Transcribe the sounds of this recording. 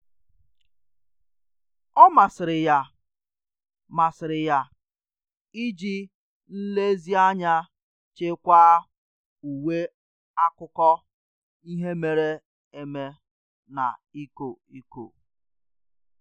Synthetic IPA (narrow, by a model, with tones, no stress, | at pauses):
ɔ˦ma˨sɪ˨ɾɪ˨ja˨ | ma˨sɪ˨ɾɪ˨ja˨ | i˦d͡ʒi˦ | n̩˦le˦zi˦a˦ɲa˦ | t͡ʃe˦kʷaː˦ | u˨we˦ | a˦kʊ˦kɔ˦ | i˦ɦe˦me˨ɾe˦ | e˦me˦ | na̰˨i˦ko˨i˦ko̰˨